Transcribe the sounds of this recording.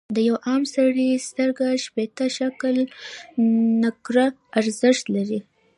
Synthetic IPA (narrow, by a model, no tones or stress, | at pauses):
d̪əjawʔɑmsaɽist̪əɾɡaʃpet̪aʃakl | nakɾa | aɾzɪʃt̪laɾi